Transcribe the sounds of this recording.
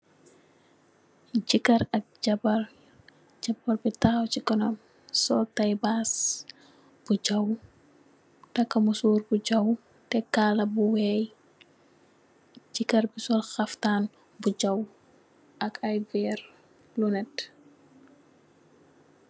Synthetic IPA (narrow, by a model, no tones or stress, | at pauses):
d͡ʒikɐɾɐk̚d͡ʒɐbɐr | d͡ʒɐbɐɾbitaːwt͡ʃikɔnɔm | sɔltajbas | b̥ud͡ʒɐw | tɐkːɐmusuːɾbud͡ʒɐw | tɛkaːlɐbuwɛj | d͡ʒikɐrbisɔlxɐftaːn | bud͡ʒɐw | ʔɐkɐjvɛːɾ | lunɛt